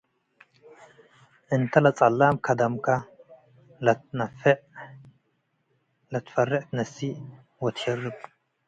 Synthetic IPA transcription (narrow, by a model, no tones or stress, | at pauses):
ʔɨnt̪ʰɐlɐt͡sʼɐlːamkʰɐd̪ɐmkʰɐ | lɐnɐfʕ | lɐt̪ʰfɐrːɪʕt̪ʰɨnɐsi | wɔt̪hɛrːɨb